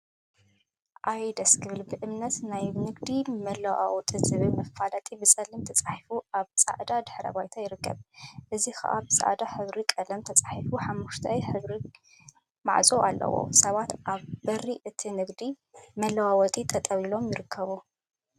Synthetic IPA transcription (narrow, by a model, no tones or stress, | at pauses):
ʔajd̪ɐskʰɨβɨlbɨʔɨmnɐt̪najnɨɡd̪imɐlɐwa̰wt̪ʼizɨβɨmɐfalɐt̪ʼibɨsʼɐlɨmt̪ʰɐt͡sʼḁħifuaβsʼa̰ʕd̪ad̪ɨħɾɐ̰βajt̪ʰajɪɾɨkːɐ̰βʔɨzixɐ̰ʔabɨsʼa̰ʕd̪aħɨβɾikʼɐlɐmt̪ʰɐt͡sʼaħifuħamːuʃt̪ʰɐjħɨβɾi | ma̰ʕt͡sʼoʔa̰lːɐ̰wo̞̰sɐβat̪ʔaβbɐriʔɨt̪ʰinɨɡd̪i | mɐlɐwawɔt̪ʼit̪ʰɐt̪ʼɐwilo̞mjɪɾɨkʰːɐβu